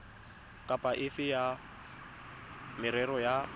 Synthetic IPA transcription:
kʼapʼaʔɪfɪja | mɪɾɛɾɔja

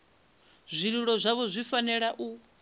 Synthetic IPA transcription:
zʷiɺiɺɔzʷaβɔzʷifanɛɺaʔu

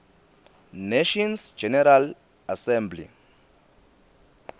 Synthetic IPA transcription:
neʃɔnsd͡ʒɛnɛɾal | asɛ̃mblḭ

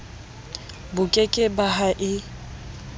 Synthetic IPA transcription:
bʊkʼekʼɪbaɦaʔɪ

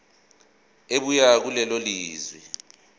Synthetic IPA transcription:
eɓujak̬ulɛloliːzwi

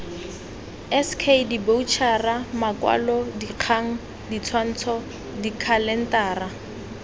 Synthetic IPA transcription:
ɛskʰedibout͡ʃʰaramakwa̰lɔdiq͡χʰaŋ̩ | dit͡sʰwan̩t͡sʰɔ | dikʰalɛn̩taːra

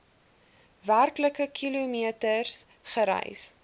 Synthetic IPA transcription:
værkləkəkʰilumiətərs | χəɾɛ̰js

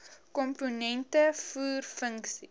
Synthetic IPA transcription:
kɔmpunɛntəfuːrfəŋksi

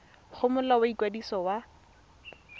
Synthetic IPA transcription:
χʊmʊlawaikwadisɔwa

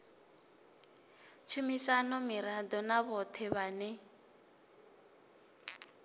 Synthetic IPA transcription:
t͡ʃʰumisanɔmiɾad̪ɔnaβɔt̪ʰɛβanɛ

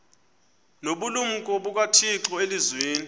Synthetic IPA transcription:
noɓulum̩kʼɔɓuk̬watʰiǁɔelizweːni

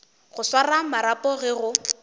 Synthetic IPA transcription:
ɣʊswaramaɾapʼɔɣɛɣʊ

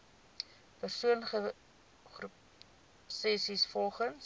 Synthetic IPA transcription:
pərsuənχə | χrup | sɛsisfɔlˠχəns

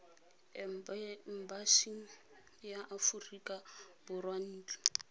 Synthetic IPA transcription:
m̩baʃiŋ̩ | jaʔafurikʼabʊrwan̩ːt͡ɬɔ̥

